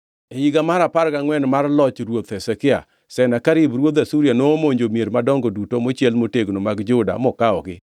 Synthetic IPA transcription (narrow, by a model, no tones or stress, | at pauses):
ejiɡamaɾapaɾkaŋwɛnmarlɔt͡ʃɾwot̪hɛsekɪa̰ | sɛnakaɾɪbɾwot̪asuɾjanomoɲd͡ʒomjeɾmadɔŋɡodutomot͡ʃjɛlmoteɡnomaɡd͡ʒʊda̰mɔkaɔɡɪ